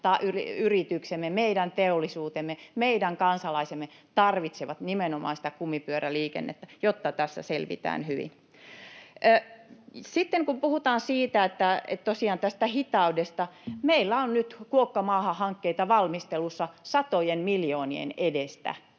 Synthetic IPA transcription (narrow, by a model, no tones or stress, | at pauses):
t̪ɑʔyriyrit̪yksemːemeidænt̪eolːˑisuːt̪emːemeidæŋkɑnsɑlɑisemːet̪ɑrʋit̪seʋɑt̪nimenomɑ̰ːnsĭ̥t̪ækumːipyøɾæliːkḛnːḛt̪ːæjot̪ːɑt̪æsːæ̰selʋḭt̪æ̰ːnhyʋḭn | sit̪ːeŋkumpuhut̪ɑːnsiːt̪æet̪ːæḛt̪t̪osiɑːnt̪æst̪æhit̪ɑudest̪ɑmeilːæonnyt̪kuokːɑmɑːhɑhɑŋkːeit̪ɑʋɑlmist̪elusːɑsɑt̪ojenmiljoːniḛnedest̪æ̰